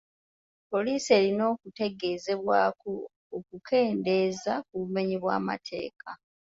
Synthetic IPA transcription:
po̞liːsie̞ːlino̞ːkute̞ɡe̞ːze̞βwaːkoː | kukʰe̞ːnde̞ːzak̚uβume̞ɲiβwa̰ːma̰tʰe̞̰ːkʰa

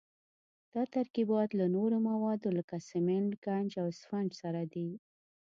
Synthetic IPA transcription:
d̪̥ɑt̪aɾkibɑt̪lanoɾomawɑd̪oləkasɪmɪnʈɡand͡ʒawɪsfaɳd͡ʒsaɾad̪i

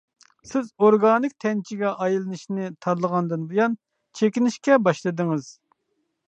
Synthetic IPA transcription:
sɪzoɾɡɑːnɨk̚ʲt̪ʰɛnt͡ʃʰiɡʲɛʔɑjlˠɨnɨʃnɪt̪ʰɑɾlˠəʁɑnd̪ɨnbujɑn | t͡ʃʰekʲinɪʃkʲɛbɑʃlˠɨd̪ɨŋɨz̥

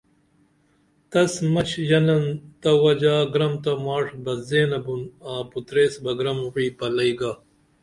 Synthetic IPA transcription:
t̪ɐsmɐt͡ɕjɐnɐnt̪ɐwɐd͡ʑaːɡɾɐmt̪ɐmaːʂbɐzeːnɐbunaːput̪ɾeːsbɐɡɾɐmwiːpɐlɐiɡaː

